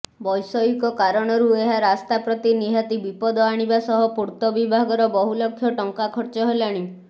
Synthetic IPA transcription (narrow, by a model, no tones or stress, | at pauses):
bɔjsɔjukɔkaɾɔɽ̃ɔɾueɦaɾast̪apɾɔt̪iniɦat̪ibipɔd̪ɔaɽ̃ibasɔɦɔpuɾt̪ɔbibʱaɡɔɾɔbɔɦulɔkʰːjɔʈɔŋkakʰɔɾt͡ʃɔɦelaɽ̃i